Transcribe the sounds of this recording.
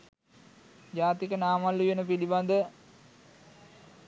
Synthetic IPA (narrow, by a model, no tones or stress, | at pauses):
d͡ʒaːt̪ikənaːmalːujenəpiliband̪ə